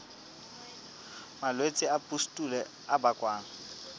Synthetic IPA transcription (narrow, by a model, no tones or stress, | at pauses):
malwet͡sʼɪapʼustʼulɛ | abakʼwaːŋ̩